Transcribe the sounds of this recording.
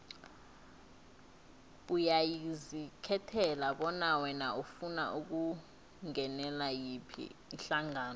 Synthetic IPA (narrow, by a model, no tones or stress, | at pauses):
ɓujajizikʰɛtʰɛlaɓɔnawɛnaufuna̰ʔuk̬u | ŋɛnɛlajipʰḭinɬaŋaːnɔ